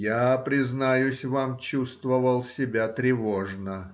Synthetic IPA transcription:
japɾʲɪznajʊsʲvamt͡ɕust̪vəvəlˠsʲɪbʲat̪ɾʲɪvoʐnə

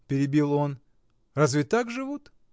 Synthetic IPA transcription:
pʲɪɾʲɪbʲilˠo̞n | razvʲɪt̪akʐɨvut̪

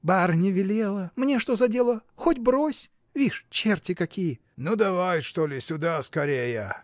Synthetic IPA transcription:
barnʲɪvʲɪlʲelˠəmnʲeʂt̪ozɐdʲe̞lˠəxotʲbɾosʲ | vʲiʂt͡ɕertʲɪkɐkʲijə | nud̪ɐvajʂt̪olʲɪsʲʊd̪askɐɾʲejə

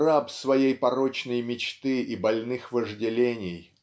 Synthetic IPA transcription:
rapsvɐjejpɐɾo̞t͡ɕnəjmʲɪt͡ɕt̪ɨibɐlʲnɨxvəʐdʲɪlʲenʲɪj

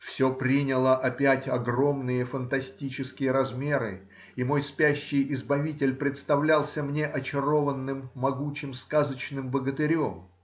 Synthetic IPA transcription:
fsʲo̞pɾʲinʲɪlˠəʔɐpʲætʲɐɡro̞mnɨjəfənt̪ɐsʲtʲit͡ɕɪskʲɪjəɾɐzmʲe̞ɾɨ̰ | imo̞jspʲæɕːɪjʔɪzbɐvʲit̬ʲɪlʲpɾʲɪt̪st̪ɐvlʲalˠsʲəmnʲe̞ʔɐt͡ɕɪro̞vənːɨmːɐɡut͡ɕɪmskazət͡ɕnɨmbəɡət̪ɪɾʲo̞m

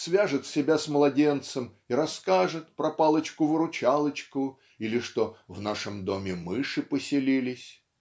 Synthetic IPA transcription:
svʲaʐɨt̪sʲɪbʲasmlˠɐdʲe̞nt̪səm | iɾɐskaʐɨt̪̚pɾɐpalˠət͡ɕkʊvɨɾʊt͡ɕalˠət͡ɕkʊ | ilʲɪʂt̪o̞vnaʂɨmd̪o̞mʲɪmɨʂɨpəsʲɪlʲilʲɪsʲ

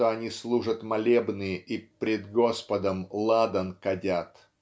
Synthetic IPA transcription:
oɐnʲislˠuʐət̪mɐlʲebnɨjɪʔipɾʲɪd̪ɡo̞spəd̪əmlˠad̪ənkɐdʲat̪

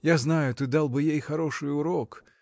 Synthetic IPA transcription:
jaznajʊt̪ɨd̪alˠbɨjejxɐɾoʂɨjʊɾɔk

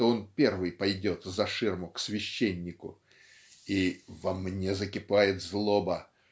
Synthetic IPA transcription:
t̪oonpʲe̞rvɨjpɐjdʲo̞t̪zɐʂɨrmʊksvʲɪɕːenʲːɪkʊ̰ | ivɐmnʲezəkʲɪpajɪt̪zlˠobə

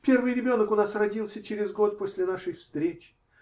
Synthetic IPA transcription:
pʲe̞rvɨjɾʲɪbʲo̞nəkʊnasrɐdʲilˠsʲət͡ɕɪɾʲɪzɡo̞t̪̚po̞sʲlʲɪnaʂəjfst̪ɾʲet͡ɕɪ̥

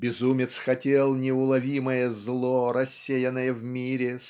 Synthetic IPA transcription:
bʲɪzumʲɪt̪sxɐtʲelˠnʲɪʊlˠɐvʲiməjəzlˠoɾɐsʲːejənːəjəvmʲiɾʲɪs

